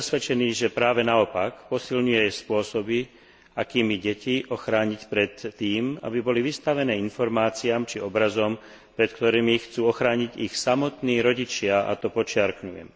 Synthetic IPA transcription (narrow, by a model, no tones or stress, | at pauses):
sʋɛt͡ʃɛniːʒɛpɾaːʋɛnaɔpakpɔsilɲujɛspʊɔsɔbi | akiːmiɟɛciʔɔxɾaːɲicpɾɛt̪ːiːma̰bibɔliʋist̪aʋɛnɛːinfɔɾmaːt͡siaːmt͡ʃiɔbɾazɔm | pɾɛt̪kt̪ɔɾiːmixt͡suːɔxɾaːɲiɟixsamɔt̪niːɾɔɟit͡ʃɪaʔa̰t̪ɔpɔt͡ʃɪaɾkɲujɛ̰m